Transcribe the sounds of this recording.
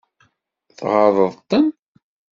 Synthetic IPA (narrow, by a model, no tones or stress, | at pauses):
θʁɑðˤəðˤt̪ːən